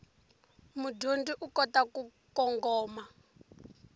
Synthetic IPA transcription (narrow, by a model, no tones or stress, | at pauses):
mudʱondiʔukɔtakukɔŋɡɔːma